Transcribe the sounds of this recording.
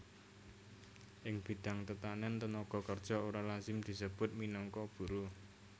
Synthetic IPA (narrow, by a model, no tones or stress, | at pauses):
ʔɪŋb̥i̤d̪̥a̤ŋt̪ət̪anɛnt̪ənɔɡ̥ɔ̤kərd̥ʒ̥ɔ̤oɾalazɪmd̪̥i̤səb̥ʊ̤t̪̚minɔŋkɔb̥ṳɾu